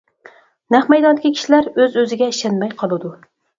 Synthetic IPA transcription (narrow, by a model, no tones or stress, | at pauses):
næχmɛjd̪ɑnd̪ɪkʲikʰʲi̥ʃilæɾøzøzɪɡʲɛiʃɛnmɛjqʰɑlˠɨd̪u